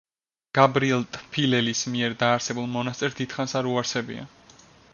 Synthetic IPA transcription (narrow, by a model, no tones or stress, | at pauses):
ɡ̥abɾiɛlˠt̪ʼpʰilɛlismiɛɾd̪aːɾsɛbulˠmɔnast̪ʼɛɾsd̪it̪χansaɾuaɾsɛbḭa̰